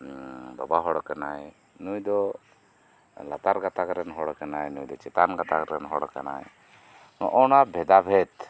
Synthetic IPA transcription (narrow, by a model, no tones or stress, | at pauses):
babaɦɔɽkanaj | nujd̪ɔ | lat̪aɾɡat̪akɾɛnɦɔɽkanajnujd̪ɔt͡ʃɛt̪anɡat̪a̰kɾɛnɦɔɽka̰na̰j | nɔ̰ʔɔnabʱɛd̪abʱɛt̪